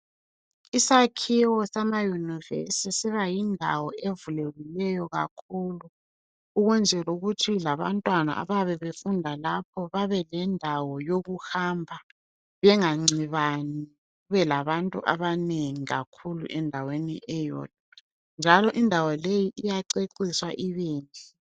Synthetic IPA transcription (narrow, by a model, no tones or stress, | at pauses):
isakʰiwɔsamajunivḛsisiβajindʱa̰wɔʔevulelilɛjɔɣa̰kʰuːluː | ɣund͡ʒʱɛluɣutʰilaβa̰ntʼwana̰ʔa̰βaβɛβefundʱalap̚ʰɔβaβɛlɛndʱawɔjoɣuhaːmbʱa | βɛŋaŋ͡ǀiβani | ɣuβɛlaβantʼṵʔa̰βaneŋiɣa̰kʰulṵʔɛndʱawenḭʔɛjɔ̰ːt̚ʼɔ | nd͡ʒʱalɔʔindʱawɔlejiʔijaǀeǀiswaʔiβeːntʼi